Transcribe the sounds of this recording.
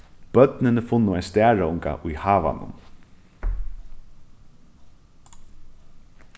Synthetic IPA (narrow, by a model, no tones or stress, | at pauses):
b̥œt̪nɪnɪfʊnːʊajst̪æːɹaʊŋka̰ʔʊjhaːʋa̰nʊ̰m